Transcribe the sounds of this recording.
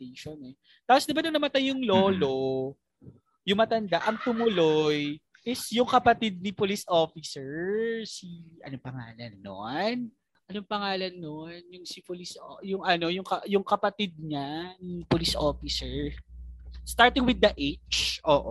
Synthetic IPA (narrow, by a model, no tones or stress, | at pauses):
t̪eʃonɛ | t̪aːposd̪ɪbanɐnɐmɐt̪ɐjjʊŋloːlo | jʊŋmɐt̪ɐnd̪aʔɐŋt̪ʊmʊloj | ʔɪsjʊŋkɐpɐt̪id̪̚nɪpolisʔoːfɪsɛɹsiʔɐ̰nopɐŋa̰ːlɐnːo̰n | ʔɐnoŋpɐŋaːlɐnːonjʊŋsɪpolisojʊŋʔɐno̞jʊŋkɐjʊŋkɐpɐt̪id̪̚ɲanipolisʔo̰ːfɪsɛɹ | st̪aɹt̪ɪŋwɪd̪ːɐʔet͡ʃʔoːʔo